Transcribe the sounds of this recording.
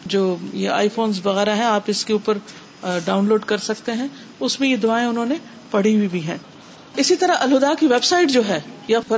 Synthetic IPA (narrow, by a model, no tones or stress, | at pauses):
d͡ʒoːjeʔa̰ːifoːnzʋɐɣɛːɾaɦɛ̃aːpɪskeuːpəɾ | ɖaːʊ̃nloːɖkɐɾsɐk̚t̪eɦɛ̃ | ʊsmẽjed̪ʊaːẽʊnɦõːne | pɐɽ̤iwibʱiɦɛ̃ː | ɪsit̪ɐɾaʔɐlɦʊd̪aːkiʋebsaːɪʈd͡ʒoːɦɛːjafɐ